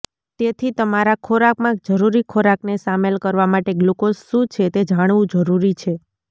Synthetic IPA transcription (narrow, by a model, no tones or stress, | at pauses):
t̪et̪ʰit̪əmaɾakʰoɾakmãkd͡ʒəɾuɾikʰoɾaknesamelkəɾʋamaʈeɡlukosʃũt͡ʃʰet̪ed͡ʒaɽ̃ʋũd͡ʒəɾuɾit͡ʃʰe